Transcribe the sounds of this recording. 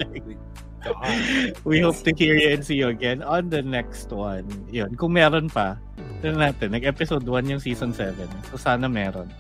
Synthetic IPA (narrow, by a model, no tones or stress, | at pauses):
wihoʊp̚t̪ʊhiːɹjuɛ̃nsijʊɐɡɛnɔnd̪ɐnɛkst̪wãnjonkʊŋmɛːɾonpɐ | sɛnɐnaːt̪ɛnːɐɡ̚ʔɛpɪsod̪wanjʊŋsiːsɔnsɛvɛnsosaːnɐmɛːɾo̰n